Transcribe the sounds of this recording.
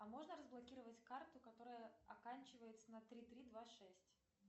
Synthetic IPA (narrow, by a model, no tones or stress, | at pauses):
ɐmo̞ʐnəɾəzblˠɐkʲiɾəvətʲkart̪ʊkɐt̪o̞ɾəjəɐkanʲt͡ɕɪvəjɪt̪sənɐt̪ɾʲit̪ɾʲid̪vaʂɛsʲtʲ